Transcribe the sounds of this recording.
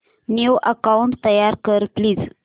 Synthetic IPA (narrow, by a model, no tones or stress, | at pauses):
newʔəkauɳʈt̪əjaɾkəɾplid͡z